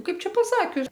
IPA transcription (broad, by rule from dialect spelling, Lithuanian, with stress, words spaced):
ˈkɐɪp ˈt͡ʃʲɛ pɐˈsɑːkʲʊs